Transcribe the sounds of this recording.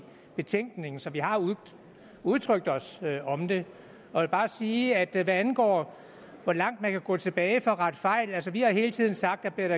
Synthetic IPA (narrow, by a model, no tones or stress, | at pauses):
b̥e̝t͡sʰeŋ̰ɡ̥ne̝ŋn̩sɒ̽ʋiɦɑ̈ | uð̞ˠt͡sʰʁœɡ̥̚d̥ɒ̽sɒ̽md̥e̝ | ɒ̽ʋe̝lb̥ɑ̈ːsiːæd̥ʋæænɡ̥ɒ̰ː | ʋɒ̽lɑ̈ŋ̰d̥̚mænkʰæɡ̥ɔ̰̽ːt͡sʰe̝b̥ɛːɪfɒ̽ʁɑd̥fɑ̈ɪ̰lælsəʋihɑ̈ɦe̝ːlt͡sʰið̞̰ˠn̩sɑ̈ɡ̥̚d̥æb̥liɐɾ̥ɑ